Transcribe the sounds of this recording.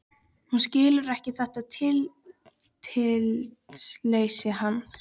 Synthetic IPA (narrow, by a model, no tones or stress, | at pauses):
hunscɪːlʏɾɛhcɪθɛht̪at̪ʰɪl | t̪ʰɪltslejsɪɦanː